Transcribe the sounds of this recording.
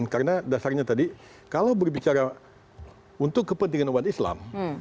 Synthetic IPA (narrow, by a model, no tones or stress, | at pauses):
nkarənadasarɲat̪adi | kalawbərbit͡ʃaɾa | unt̪ʊkːəpənt̪iŋanubat̪isla̰m